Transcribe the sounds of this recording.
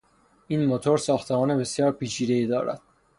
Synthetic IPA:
ʔiːnmot̪ʰoɾsɒːxt̪ʰemɒːne̞be̞sjɒːɾpiːt͡ʃʰiːd̪e̞iːd̪ɒːɾæ̰d̪̥

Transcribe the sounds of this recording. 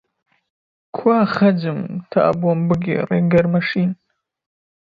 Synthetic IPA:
kʷʰaːχad͡ʒɨmtʰa̰ʔa̰bwambɨɡʲɪ̰ra̰ɡarmaʂin

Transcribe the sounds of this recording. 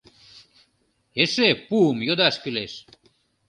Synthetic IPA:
eʃepumjod̪ɑʃkyleʃ

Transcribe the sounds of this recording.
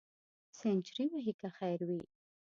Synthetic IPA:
sent͡ʃɾiwaɦikaxajɾwi

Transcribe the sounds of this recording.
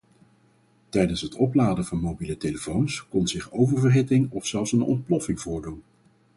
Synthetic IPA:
tɛjdənsɦətʰɔplaːdəvɑnmowbiləteləfownskɔnzɪχowvəɹvəɹɦɪtɪŋɔfsɛlˠfsənɔ̰nt̚plɔfɪŋvʊːɹdun

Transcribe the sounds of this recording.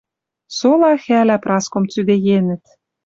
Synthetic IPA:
solɑxælæprɑskomt͡syd̪ejenɘ̆t̪̚

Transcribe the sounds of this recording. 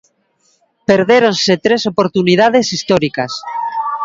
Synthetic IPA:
peɾðeɾonset̪ɾesopoɾt̪unið̞að̞esist̪oɾikas

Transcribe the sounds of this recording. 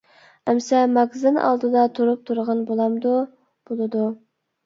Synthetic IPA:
ɛmsɛmɑɡzɨnɑ̰lˠd̪ɨd̪ɑt̪ʰuɾup̚t̪ʰuɾʁɑnbolˠɑmd̪u | b̥olˠɨd̪u

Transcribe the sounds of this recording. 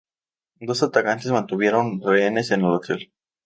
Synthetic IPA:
d̪o̞sat̪akant̪e̞zmãnt̪uβje̞ɾonreene̞se̞nelot̪el

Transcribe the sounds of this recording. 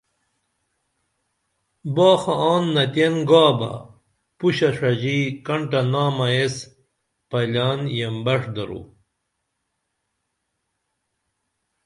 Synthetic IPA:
baːxɐaːnːɐt̪enɡaːbɐ̰ | puɕɐʂɐʑikɐɳʈɐnaːmɐes | pɐlaːnjembɐʂd̪ɐɾṵ

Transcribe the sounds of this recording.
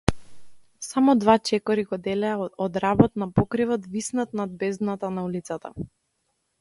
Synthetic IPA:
samɔd̪vat͡ʃɛkɔɾiɡɔd̪ɛlɛaɔd̪ɾabɔt̪napɔkɾivɔt̪visnat̪nad̪̚bɛzd̪nat̪anaulit̪sat̪a̰

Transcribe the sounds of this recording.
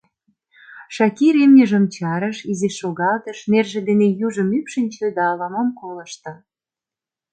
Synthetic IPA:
ʃɑkiɾemnʲə̆ʒə̆mt͡ɕɑɾəʃizeʃoɣɑlt̪ə̆ʃmerʒĕd̪enejuʒə̆mypʃənʲt͡ɕed̪ɑːlɑmɑmkolə̆ʃt̪ɤ̆

